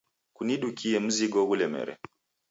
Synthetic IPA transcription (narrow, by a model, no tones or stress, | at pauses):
kuniɗukiɛm̩ziɡɔɣulɛmɛ̰ɾɛ̰